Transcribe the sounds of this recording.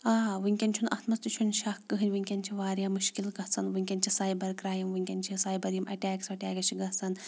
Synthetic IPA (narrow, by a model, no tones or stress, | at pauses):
aːʋɨŋʲkʲɐnʲt͡ʃʰunɐ̰t̪ʰmɐst̪it͡ʃʰunʃɐkːɨɦɨnʲʋɨŋʲkʲɐnʲt͡ʃʰiʋaːɾjaːmuʃkilɡɐt͡sʰɐnʋɨŋʲkʲɐnʲt͡ʃʰisaːjbɐɾkɾaːjɐmʋɨŋʲkʲɐnʲt͡ʃʰisaːjbɐɾjimʔɐ̰ʈʲaːksɐʈʲaːkɐt͡ʃʰiɡɐt͡sʰɐn